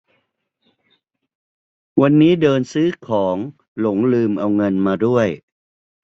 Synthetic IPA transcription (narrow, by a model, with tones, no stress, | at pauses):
wa˧nːiː˦˥dɤː˧nsɯː˦˥kʰɔː˩˦ŋ | lo˨˩˦ŋlɯː˧mʔa˧wŋɤ˧nmaː˧du˥˩əj